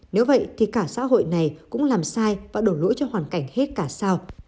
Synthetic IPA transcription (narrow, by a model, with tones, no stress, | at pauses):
ne˨˦wvə̰˧˨jt̪ʰi˨˩kaː˧˩sa̰ː˧˥ɦo̰˧˨jna˨˩jkʊ̰˧˥ŋ͡mlaː˨˩msaː˧jvaː˨˩ɗo˧˩lṵ˧˥jt͡ɕɔ˧hwaː˨˩nka˧˩jŋ̟he˦˥t̚kaː˧˩saː˧w